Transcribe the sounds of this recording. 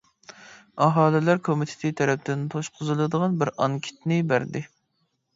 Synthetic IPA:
ɑɦɑːlɪlæɾkʰomit̪ʰɪ̥t̪ʰit̪ʰɛɾɛp̚d̪ɪnt̪ʰoʃqʰʊzɨlˠɨd̪əʁɑnbɪɾɑŋkʲʰi̥t̪nɪbæɾd̪ɪ

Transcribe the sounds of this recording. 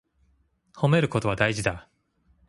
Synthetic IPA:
ho̞me̞ɾɯ̟ko̞t̪o̞β̞ad̪aiʑid̪a

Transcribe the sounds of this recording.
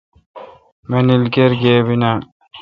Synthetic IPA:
menilɡeɾɡeːbina

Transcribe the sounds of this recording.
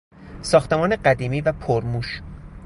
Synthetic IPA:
sɒːxt̪e̞mɒːneɢæd̪iːmiːvæpʰoɾmuːʃ

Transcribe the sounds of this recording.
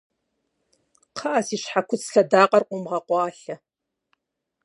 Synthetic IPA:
qʰɑʔasiːʃħakʷʰʊt͡sʰʼɬɐdaːqʼɐrqʷʼʊmʁɐqʷɑːɬɐ

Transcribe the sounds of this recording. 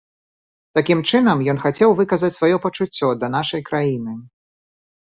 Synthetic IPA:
t̪akʲimt͡ʂɨn̪ɐmjɔn̪xat͡sʲɛwvɨkɐzɐt͡sʲsvajɔpɐt͡ʂut͡sʲːɔd̪ɐnaʂɐjkɾajinɨ

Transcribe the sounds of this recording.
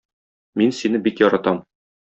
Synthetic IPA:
minsinɘbikjɒɾɑt̪ɑm

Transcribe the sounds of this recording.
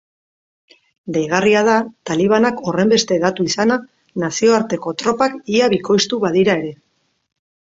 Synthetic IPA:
d̪ejɣ̞ariað̞at̪aliβ̞anako̞re̞mbe̞st̪e̞ðat̪uisana | nasio̞aɾt̪e̞ko̞t̪ɾo̞pakiaβiko̞jst̪uβaðiɾae̞ɾe̞

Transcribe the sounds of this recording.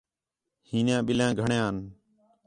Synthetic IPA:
hiːnjãːɓɪljãːɡʱəɳjãːən

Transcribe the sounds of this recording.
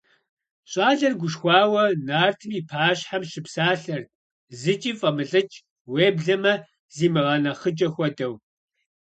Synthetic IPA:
ɕʼɑːɮɐrɡʷʊʃxʷɑːwɐnaːrtʰɨmiːpʰaːɕħamʃɪpsaːɬɐr | zɨt͡ʃʼiːfʼɐmɨɬʼɨt͡ʃʼ | weːbɮɐmɐ | ziːmɨʁɐnɐχət͡ʃʼɐxʷɔdɐw

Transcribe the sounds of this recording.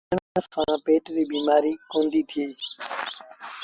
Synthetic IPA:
əmːəsaãːpeːʈd̪iːbiːmaːɾiːkõːnd̪iːt̪ʰɪiː

